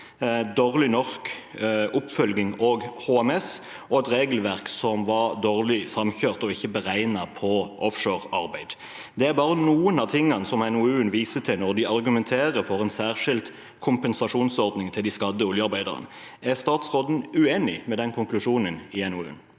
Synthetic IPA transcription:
d̪oːʁlɪnɔʁskʊpfœlɡɪŋoːɡhoːɛmɛs | ɔɛt̪ɾeːɡəlʋæʁksɔmʋɑʁd̪oːʁlɪsɑmçøːʁt̪ɔɪçːəbəʁæɪnɑpʰɔʔɔfʃoːʁɑɾbæɪd̪ | d̪ɛæʁbɑːʁənuːənɑt̪ʰɪŋːɑnsɔmɛnʊʉːənʋiːsət̪ʰɪnɔʁd̪ɪɑʁɡʉmɛnt̪ʰeːɾəɾfɔɾɛnsæːʁʂɪlt̪ | kʰʊmpɛnsɑʂuːnsɔʁd̪nɪŋt̪ʰɪld̪ɪskɑd̪əʊljəɑɾbæɪd̪ɑ̰ʁə̰n | æʁst̪ɑːt̪sʁoːd̪n̩ʉeːnɪmɛd̪ɛnkʰʊŋklʉʂuːnənɪɛnʊʉ̰n

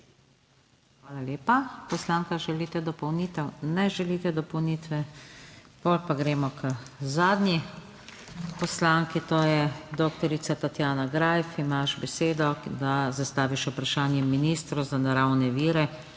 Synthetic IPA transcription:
xʋaːlaleːpapɔslaːŋkaʒɛlit̪ɛd̪ɔpɔwnit̪ɛwnɛʒɛliːt̪ɛd̪ɔpɔwnit̪ʋɛ | polpaɡɾɛːmɔkəzaːd̪nji | pɔslaːŋkit̪oːjɛd̪ok̚t̪ɔɾisat̪at̪jaːnaɡɾajfimaʃbɛseːd̪ɔd̪azast̪aːʋiʃupɾaʃaːnjɛminiːst̪ɾuzanaɾawnɛʋiːɾɛ

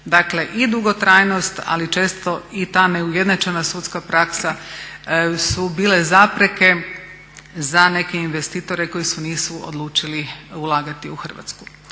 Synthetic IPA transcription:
d̪akle̞ʔid̪uɡo̞t̪ɾaːjno̞st̪a̰lit͡ʃe̞ːst̪o̞it̪aːne̞ujed̪nat͡ʃenasut̪skapɾaksa | subiːle̞zapɾe̞ke̞ | zane̞ke̞inʋe̞st̪iːt̪o̞ɾeko̞jisuniːsuo̰d̪lˠuːt͡ʃiliulˠaːɡat̪iuxr̩ʋa̰t̪sku̥

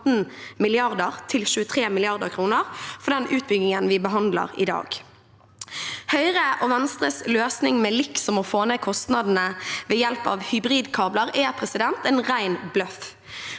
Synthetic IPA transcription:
n̩mɪlɪɑʁd̪əʁt̪ʰɪlʃʉːət̪ʰʁeːmɪlɪɑʁd̪əʁkʰɾuːnəʁfɔɖ̪ɛnʉːt̪̚bʏɡnɪŋənʋɪbəɦɑnd̪lə̰ʁɪ̰d̪ɑ̰ːɡ | hœʏʁəʔɔːʋɛnst̪ʁəsløːsnɪŋmɛːlɪksɔmɔfoːneːkʰɔst̪nɑd̪n̩əʋeːjɛlpɑ̰ʋhʏbʁiːd̪kʰɑːbləʁɛːpʰɾɛsɪd̪ɛnt̪ɛːnʁæɪnblœf

